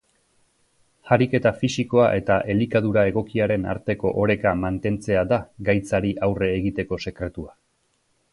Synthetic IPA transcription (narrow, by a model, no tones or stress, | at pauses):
haɾike̞t̪afisiko̞aʔe̞t̪aʔe̞likaðuɾae̞ɣ̞o̞kiaɾe̞na̰ɾt̪e̞ko̞̰ʔoɾe̞kamant̪e̞nt͡se̞ad̪aɡajt͡saɾiʔawre̞ːɣit̪e̞ko̞se̞kɾe̞t̪ua